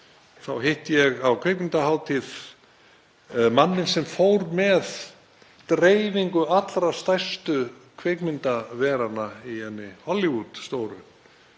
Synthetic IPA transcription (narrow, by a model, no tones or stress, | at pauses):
θawɦejht̪jɛɣawkʰvekmɪnt̪aɦaːwt̪ʰið | manːɪnsɛmfowɾmɛð | t̪ɾeːjviŋkʏat̪lɾḁst̪ajst̪ʏ | kʰvekmɪnt̪avɛːɾanːaihɛnːɪhɔlivut̪st̪oːwɾʏ